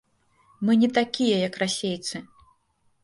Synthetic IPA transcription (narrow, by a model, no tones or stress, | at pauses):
mɨnʲɛt̪akʲijɐjɐkrasʲejt̪sɨ